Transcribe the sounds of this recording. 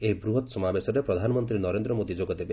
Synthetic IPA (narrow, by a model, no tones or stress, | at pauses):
ebɾuɦɔt̪sɔmabesɔɾepɾɔd̪ʱanɔmɔnt̪ɾinɔɾend̪ɾɔmod̪id͡ʒoɡɔd̪ebe